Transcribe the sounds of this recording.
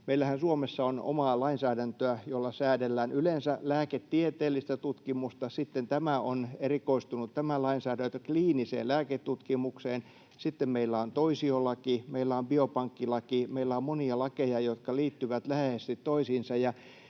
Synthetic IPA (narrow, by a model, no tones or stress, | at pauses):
meilːˑæhænsuomesːɑono̰mɑːlɑinsæːdænt̪øæjolːɑsæːdelːæːnylensælæːket̪ːiet̪eːlːˑist̪æt̪ut̪kimust̪ɑsit̪ːent̪æmæonerikoist̪unut̪tæmælɑinsæːdænt̪økliːnisḛːllæːket̪ːut̪kimukseːn | sit̪ːemmeilːæont̪oisiolːɑkimeilːæombiopɑŋkːilɑkimeilːæommoniɑlɑkejɑjot̪kɑliːt̪ːyʋæt̪læheest̪it̪toisiːnsɑjɑ